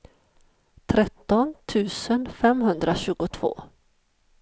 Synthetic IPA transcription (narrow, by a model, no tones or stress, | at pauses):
t̪ʰɾɛt̪ːɔnt̪ʰʉ̟ːsənfɛmɦɵnd̪ɾaɕʉ̟ːɡʊt̪ʰv̥o̰ː